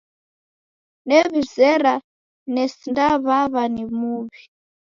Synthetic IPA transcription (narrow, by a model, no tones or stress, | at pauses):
nɛβizɛɾa | nɛsindaβaβanimuːβi